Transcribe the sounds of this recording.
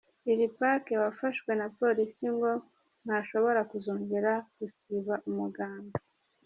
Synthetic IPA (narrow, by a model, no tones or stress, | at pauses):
iɾipake̞wafaʃwe̞napo̞ɾisiŋɡo̞ | n̥haʃo̞βo̞ɾakuzoːɲɡeɾaɡ̥usiβaʔumuɡaːmba